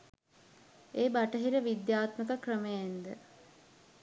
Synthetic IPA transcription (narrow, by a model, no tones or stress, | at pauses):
eːbaʈəɦiɾəʋid̪jaːt̪məkəkrəməjend̪ə̰